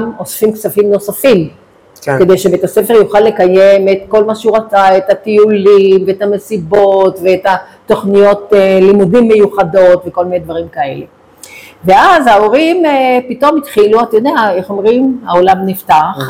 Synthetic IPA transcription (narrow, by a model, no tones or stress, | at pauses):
mo̞sfimkt͡safimno̞safim | kked̪ejʃebeet̪ase̞feʁjuχalːe̞kajemet̪ko̞lmaʃeuʁat͡saetat̪iulimveetame̞sibo̞tveeta | to̞χnijo̞telimudimːe̞juχado̞tveko̞lmined̪vaʁimkae̞̰le̞ | veazhao̞ʁimpito̞mitχiluatjod̪eaeχo̞mʁimao̞lamniftaχ